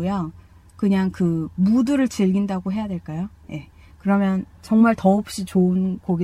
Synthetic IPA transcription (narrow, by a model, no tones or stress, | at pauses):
jʌ | kɯɲaŋkɯmudɯɾɯɭt͡ɕiɭɡindaɡoɦe̞jadwe̞ɭk͈ajoje̞ | kɯɾʌmjʌnt͡ɕʌŋmaɭtʌːp̚ɕ͈it͡ɕoɯnkoɡe